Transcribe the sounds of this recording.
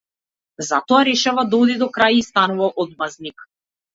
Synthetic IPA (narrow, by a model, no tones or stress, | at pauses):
zat̪ɔaɾɛʃavad̪ɔd̪id̪ɔkɾajist̪anuvaʔɔd̪̚maznik